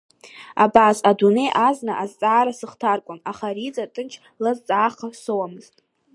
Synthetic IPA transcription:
abaːsadune̞jʔaznaʔazt͡sʼaːɾasɨχtʰarkʷʼʊnaχaɾit͡sʼatʼɨnt͡ʃʰ | lazt͡sʼaːχasowamɨztʼ

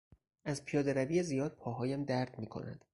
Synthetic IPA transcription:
ʔæzpʰijɒːd̪eɾæbiːezijɒːd̪̚pʰɒːɦɒːjæmd̪æɾd̪̥miːkʰo̞̰næ̰nd̪̥

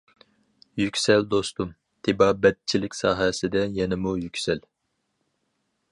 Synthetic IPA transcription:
jykʲsɛld̪ost̪um | t̪ʰɪbɑːbɛt̪̚t͡ʃʰilɪkʲsɑːɦɛsɪd̪ɛjɛnɪmujykʲsɛl

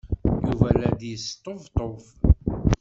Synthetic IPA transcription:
juvælæd̪jəst̪ˤːovt̪ˤof

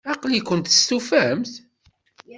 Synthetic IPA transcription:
ɑqlikʷːənt̪ə̥st̪ufæmθ

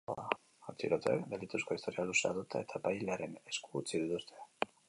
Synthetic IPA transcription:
oa | at͡siɾot̪ḛkbelit̪usko̞ist̪o̞ɾialuseaðut̪ae̞t̪ʰapajleaɾe̞ne̞skuːt͡siðit̪ust̪ʰe̞̥

